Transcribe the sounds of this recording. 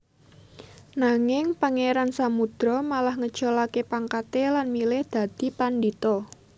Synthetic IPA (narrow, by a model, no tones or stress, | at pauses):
naŋɪŋpaŋeɾansamud̪̥ɾɔmalahŋə̥ʒ̥ɔlakepaŋkat̪elanmilɪhd̪̥ä̤d̪̥i̤pandit̪ɔ